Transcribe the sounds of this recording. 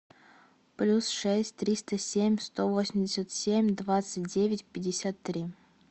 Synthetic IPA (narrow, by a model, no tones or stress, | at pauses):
plʲusʂɛsʲtʲt̪ɾʲist̪əsʲemʲst̪ovosʲmʲdʲɪsʲət̪sʲemʲd̪vat̪sɨt̚ʲdʲevʲɪtʲpʲɪdʲːɪsʲat̪ːɾʲi